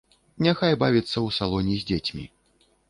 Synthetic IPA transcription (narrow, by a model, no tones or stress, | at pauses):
nʲaxajbavʲit̪sːɐwsalˠɔnʲizʲdʲd͡zʲet͡sʲmʲḭ